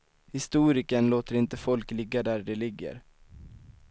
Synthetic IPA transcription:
hɪst̪uːɾɪkənloːt̪əɾɪnt̪əfɔlklɪɡːad̪æɖɛlɪɡːə̰ɾ

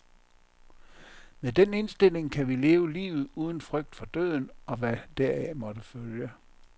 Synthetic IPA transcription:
med̥ene̝nsd̥e̝l̰e̝ŋkʰæʋile̝ːʊəlḭːʊð̩ˠuːð̞ˠən̩fʁœɡ̥̚d̥fɒ̽d̥øð̰ˠn̩ɒ̽ʋæd̥æɐ̰æmɒ̽d̥əføljə

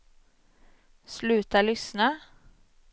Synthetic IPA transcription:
slʉːt̪əlʏsnə

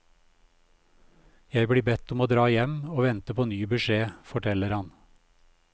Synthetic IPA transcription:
jæɪbɽiːbɛt̪ɔmoːd̪ɾɑːjɛmoːʋɛnt̪əpʰoːnyːbʉʃeːfɔʈʰɛləɾhɑn

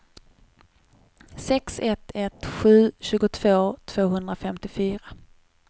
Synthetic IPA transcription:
sɛksɛt̪ɛt̪ɧʉ̟ːɕʉ̟ːɡʊt̪ʰv̥oːt̪ʰv̥oːɦɵnd̪ɾafɛmt̪ɪfyːɾa

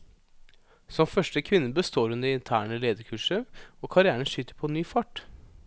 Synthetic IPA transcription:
sɔmfœʂʈəkʰʋɪnːəbəst̪oːɾʉnd̪əɪnt̪ʰæːɳəleːd̪əkʰʉːʂəɔːkʰɑɾɪæːɳəʃyːt̪ːəɾpʰɔnyːfɑʈ

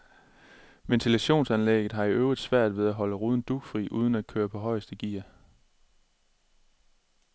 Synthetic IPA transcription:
ʋent͡sʰilæɕo̝̰ːnsænleɡ̥ð̩ˠɦɑ̈iʔøʊʁid̥sʋæɐ̰d̥ʋe̝ð̞ˠæɦɒ̽ləʁuːð̞ˠn̩d̥uɡ̥fʁḭːʔuːð̞ˠən̩æd̥̚kʰøːɐpʰɒ̽ɦɒ̽ɪ̰əsd̥əɡ̥ḭːɐ̰

